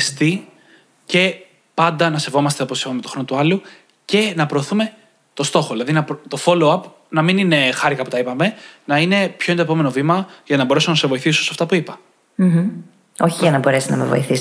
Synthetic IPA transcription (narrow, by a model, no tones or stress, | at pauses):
st̪i | ce̞ | pɐnd̪ɐnɐse̞vo̞mɐst̪e̞opossipɐmet̪o̞xɾo̞not̪uɐlu | ce̞nɐpɾo̞ːθume̞ | t̪o̞st̪o̞xo̞ðilɐðinɐpt̪o̞fo̞loɐp | nɐminine̞xɐɾikɐpu̥t̪ɐipɐme̞nɐine̞pçont̪opo̞me̞no̞vimɐʝɐnɐbo̞ɾe̞sonɐsevo̞iθisosɐft̪ɐpuipɐ̥ | m̩m̩ | oçiʝɐnɐbo̞ɾe̞sinɐ̰mevo̞̰iθis